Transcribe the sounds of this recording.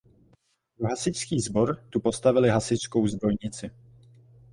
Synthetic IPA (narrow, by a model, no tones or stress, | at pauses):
oɦasɪskiːzbo̞ɾt̪upo̞st̪avɪlɪɦasɪsko̞wzd̪ɾo̞jɲɪt͡sɪ